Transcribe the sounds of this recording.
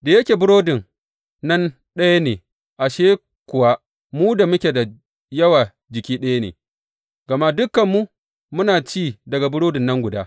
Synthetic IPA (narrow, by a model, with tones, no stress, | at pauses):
da˨jɐ˦kʲeː˨bʊ˦ɽoː˦dɪ˨ŋ | nɐ˦n | ɗɐ˦ja˦neː˨ | ʔa˨ʃeː˦ | kʷʊ˨wa˦ | muː˦da˨mʊ˦kʲe˨da˨ | jɐ˦waː˨ | d͡ʒɪ˨kʲiː˦ɗɐ˦ja˦nḛː˨ | ɡ̥ɐ˨ma˦dʊ˦kːɐ˨mːu˦ | mʊ˦naː˨t͡ʃiː˦˨dɐ˨ɡa˨bʊ˦ɽoː˦dɪ˨nːɐ˦ŋɡʷʊ˨daː˦